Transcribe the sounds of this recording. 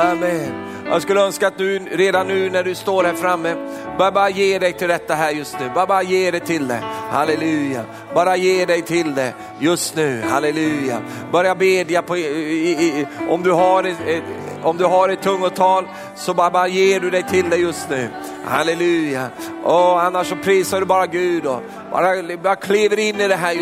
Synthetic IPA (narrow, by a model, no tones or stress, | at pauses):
amːɛn | jʔɑ̰ːɡskɵlːəœnskaːt̪̚d̪ʉɾeːd̪anːʉ̟ːnæɖɵst̪oːɾhæːɾfɾamːəbɾabɑːɾajeːɖɛjt̪ʰɪld̪ɛt̪ːaɦæːɾjɵst̪nʉ̟ːbɑːbɑːɾajeːɖɛt̪ʰɪld̪ɛhalɛlʉ̟ːja̰ | bɑːɾajeːɖɛjt̪ʰɪld̪ɛ | jɵst̪nʉ̟ːhalɛlʉ̟ːja̰ | bœɾjabeːd̪japʰɔ | ɔmd̪ɵɦaɾɛ | ɔmd̪ɵɦaɾɛt̪ʰːɵŋːʊt̪ʰɑːl | sɔbbɑːɾajeːɖɵd̪ɛjt̪ʰɪld̪ɛjɵst̪nʉ̟ː | ha̰lɛlʉ̟ːja | ɔanːaʂːɔpʰɾiːsaɖɵbɑːɾaɡʉ̟ːd̪ɔ | bɑ̰ːɾabɑːɾakʰliːvəɾɪnːɪd̪ɛɦæː